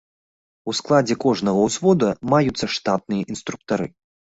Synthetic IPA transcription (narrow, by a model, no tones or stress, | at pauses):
usklˠad͡zʲɛkɔʐnɐɣɐwsvɔd̪ɐmajut̪sːɐʂt̪at̪̚nɨjɐʔinst̪ɾuk̚t̪aɾɨ